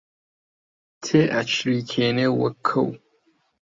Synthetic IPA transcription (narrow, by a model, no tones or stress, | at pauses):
tʰeʔat͡ʃʰrikʲʰenewɐkʰːɐ̰w